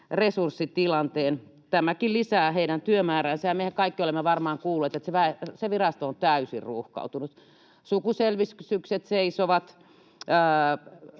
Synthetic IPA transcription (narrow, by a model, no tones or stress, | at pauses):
resursːit̪ilɑnt̪eːn | t̪æmækillisæːheiɾænt̪yømæːrænsæjɑmehækkɑikːiolemːeʋɑrmɑːŋkuːlːeːt̪et̪seʋæeseʋirɑst̪oont̪æysḭrruhkɑ̰ut̪unut̪ | sukuselʋisksykset̪seisoʋɑt̪ | əː